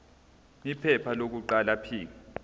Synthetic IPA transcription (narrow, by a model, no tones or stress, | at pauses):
mipʰɛpʰalok̬uǃalapʰiːk̬a